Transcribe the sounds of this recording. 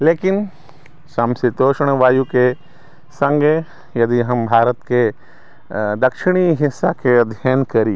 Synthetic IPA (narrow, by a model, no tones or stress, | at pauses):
leːkɪn | sɐ̃msɪt̪oːʃəɽ̃ʋaːjuke | sɐ̃ŋɡe | jɐd̪iɦɐmbʱaːɾət̪ke | d̪ɐkʃɪɽ̃iɦɪsːakeɐd̪ʱjaːnkɐɾi